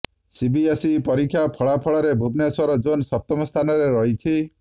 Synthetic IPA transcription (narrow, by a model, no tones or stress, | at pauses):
sibiesipɔɾikʰjapʰɔɭapʰɔɭɔɾebʱubnesɔɾɔd͡ʒonsɔp̚t̪ɔmɔst̪ʰanɔɾeɾɔɦit͡ʃʰi